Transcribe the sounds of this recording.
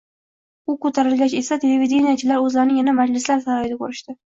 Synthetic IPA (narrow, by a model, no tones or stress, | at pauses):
ʊkɵt̪ʰaɾɪlɡʲat͡ʃe̞sat̪ʰeleved̪enijat͡ʃʰɪlaɾɵzlaɾɪnɪjanamad͡ʒlɪslaɾsaɾajɪd̪akʰɵɾɪʃt̪ɪ